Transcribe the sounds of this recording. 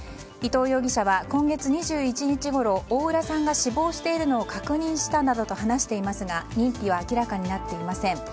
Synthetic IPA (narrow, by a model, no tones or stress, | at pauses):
it̪o̞ːjo̞ːɡʲiɕaβakõ̞ŋɡe̞t͡sɨɲ̟iʑɨːit͡ɕiɲit͡ɕiɡo̞ɾo̞oːɯ̟ɾasãŋɡaɕibo̞ːɕi̥t̪e̞iɾɯ̟no̞ːkakɯ̟ɲ̟ĩɰ̃ɕi̥t̪anad̪o̞t̪o̞ɦanaɕi̥t̪e̞imasɨɡaɾʲĩmpʲiβ̞aːkʲiɾakaɲ̟inat̪ːe̞imasẽ̞ŋ